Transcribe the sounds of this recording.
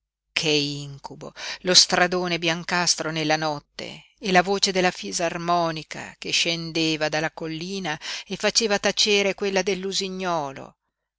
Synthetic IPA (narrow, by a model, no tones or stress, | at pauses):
kʰeiŋkubo̰lost̪ɾad̪oːnebjaŋkast̪ɾonelːanɔt̪ːḛː | lavoːt͡ʃed̪elːafizarmɔːnika̰keʃːend̪eːvad̪alːakolːiːnaefat͡ʃeːvat̪at͡ʃeːɾekwelːad̪elːuziɲːɔːlo̰